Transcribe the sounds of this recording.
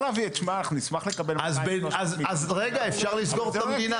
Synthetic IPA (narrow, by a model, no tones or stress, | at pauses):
laviet͡ʃmanaχnunismaχlekabelazbeazazʁeɡaefʃaʁlisɡo̞ʁeamd̪ina